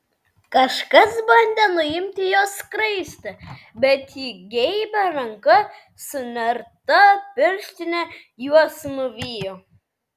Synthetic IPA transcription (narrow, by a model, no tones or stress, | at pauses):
kɐʃkɐsbɐnʲd̪ʲɛnʊɪmʲt̪ʲɪjoːskɾɐɪst̪ɐ | bʲɛt̪iːɡʲɛɪbʲɛɾɐŋkɐ | sʊnʲɛɾt̪ɐpʲɪɾʲʃʲt̪ʲɪnʲɛ | juɔsnʊʋʲiːjo